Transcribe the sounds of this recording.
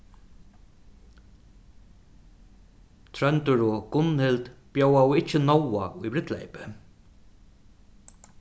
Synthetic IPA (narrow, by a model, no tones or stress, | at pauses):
t̪ʰɹœnt̪ʏɹɔkʊnhɪlt̪bjowawɪt͡ʃːɪnɔwa̰ujbɹɪt̪lḛjpɪ